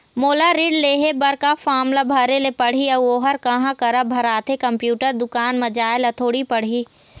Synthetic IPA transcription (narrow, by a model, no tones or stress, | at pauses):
moːlaɾiːɖleːɦebɐɾkafʰaːmlabʱɐɾelepɐɽ̤iɐoːɦəɾkɐɦãkɐɾəbʱɐɾaːt̪ʰekɐ̃mpjuːʈəɾd̪ʊkaːnmɐd͡ʒaːɪlɐt̪ʰoːɽipɐɽ̤iː